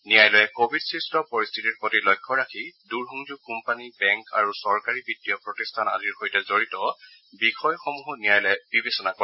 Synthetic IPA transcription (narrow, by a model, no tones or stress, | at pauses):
niajlɔjɛkobʱidsɹistɔpoɹistʰitiɹpotilɔjkʰːɔɹakʰiduɹɦuŋzukumpanibɛŋka̰ɹusɔɹkaɹibidːijɔpɹotistʰana̰diɹxojtɛzoɹitɔ | bixɔjxɔmuɦɔnijajlɛb̥ibesɔnakɔɛ